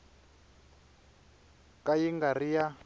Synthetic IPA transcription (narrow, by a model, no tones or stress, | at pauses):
kʼajiŋɡarija